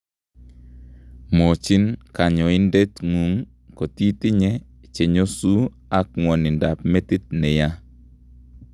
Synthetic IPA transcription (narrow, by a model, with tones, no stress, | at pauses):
mo˨t͡ʃi˦nka˨ɲɔ˨ɪ˦nde˦tŋu˨ŋ | ko˨ti˦tɪ˦ɲɛ˦ | t͡ʃe˨ɲo˦su˦ | a˦k̚ŋwɔ˨nɪ˨nda˨p̚mɛ˦ti˦t̪̚nɛ˨ja˦